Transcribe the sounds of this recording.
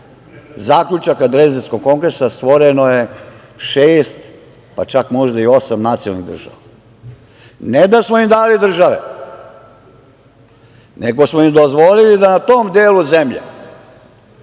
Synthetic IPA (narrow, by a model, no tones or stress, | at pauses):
zaːkʎut͡ʃakad̪ɾeziskoɡ̚kːo̞ŋɡɾesast̪ʋo̞ɾenoje̞ | ʃeːst̪ | pat͡ʃakmo̞ʒd̪aio̞samnat̪sijolˠnḭɣd̪r̩ʒa̰ʋa | ned̪asmoimd̪aːlid̪r̩ʒaʋḛ | neɡo̞smoimd̪ozʋolilid̪anat̪oːmd̪eːluzemʎḛ